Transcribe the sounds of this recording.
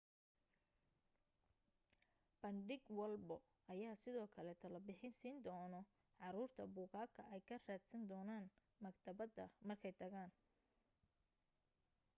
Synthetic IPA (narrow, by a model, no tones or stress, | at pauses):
b̥ɐɳɖɪɡwɐlbɔ | ɐjaːsɪðɔːkʰɐlɛt̪ʰɐlɐbɪħɪnsiːnd̪ɔːnɔ | ʕɑɾuːrt̪ʰɐbʊːɣaːkʰɐʔɛjkʰɐraːd̪sɐnd̪ɔːnaːn | mɐɡt̪ʰɐβɐðɐmɐrkʰɛjt̪ʰɐɣaːn